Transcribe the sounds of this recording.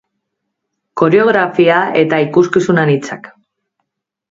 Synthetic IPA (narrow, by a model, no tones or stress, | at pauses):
ko̞ɾe̞o̞ɣ̞ɾafiae̞t̪aikuskisunanit͡sa̰k